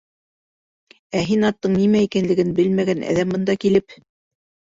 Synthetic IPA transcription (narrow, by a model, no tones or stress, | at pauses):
æɦinɑt̪ːɤɴnimæikænlɘ̆ɡɘnbɘlmæɡænæ̰ðæmbɤ̆nd̪ɑkilɘp